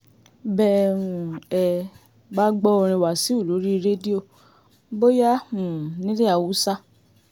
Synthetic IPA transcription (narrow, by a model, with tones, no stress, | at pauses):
bɛ˦˧ɾũ˨ɛ˧ | ba˦ɡ͡bɔ˦o˧ɾ̃ĩ˧wa˨si˨˦u˦˨lo˨˦ɾi˦˧ɾe˦di˦o˧ | bo˦ja˦ũ˨nĩ˦le˦a˧wu˨˦sa˦